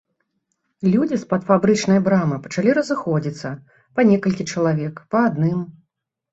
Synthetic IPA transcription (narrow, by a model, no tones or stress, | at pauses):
lʲud͡zʲispɐt̪fabɾɨt͡ʂnɐjɐbɾamɨpɐ̥t͡ʂalʲiɾɐzɨxɔd͡zʲit̪sːɐ | pɐnʲɛkɐlʲkʲit͡ʂɐlˠavʲɛkpɐad̪nɨm